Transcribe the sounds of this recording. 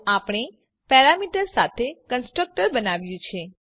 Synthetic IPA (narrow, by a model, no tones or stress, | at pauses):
apɽ̃e | pɛɾamiʈəɾsat̪ʰekənsʈɾək̚ʈəɾbənaʋjũt͡ʃʰe